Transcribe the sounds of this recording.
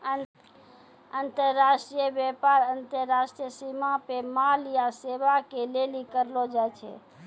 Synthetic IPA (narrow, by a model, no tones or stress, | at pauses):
ə | ənt̪əɾːaʃʈɾijəbjepaɾənt̪əɾːasʈɾijəsimapemalijaseʋakelelikəɾlod͡ʒajt͡ʃʰḛ